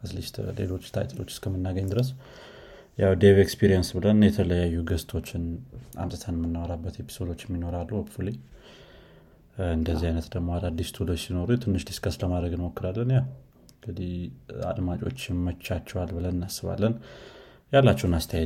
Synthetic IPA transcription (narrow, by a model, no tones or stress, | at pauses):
ʔɨzlist̪le̞̰lo̞t͡ʃːt̪ʰa̰jt̪ʰəlo̞̰t͡ʃːɪ̥skʰəmːɨnːaɡəɲːd̪ɨɾəs̬ | jawd̪eβekspʰiɾijənsbɨlənjɛt̪ʰələjajːuɡəst̪ʰo̞t͡ʃːɪna̰mt̪ʼət̪ʰanmːɨnːawɾabːət̪e̞pʰi̥so̞d̪o̞t͡ʃːɪɛmːino̞ɾalːuəbfule | ɨnd̪əzːiajnət̪d̪əɡmo̞ad̪ad̪ːist̪ʰud̪əsino̞ɾut̪ʰɨnːɨʃd̪i̥skasləmad̪ɾəɡɨnmokːɨɾalːənjaw | ɨŋɡɨd̪ia̰d̪mat͡ʃʼo̞̰t͡ʃːɪnmət͡ʃːat͡ʃːɛwalbɨlənɨnːasɨβa̰lːən | jalːat͡ʃːɛwnast̪ʰəjajɛ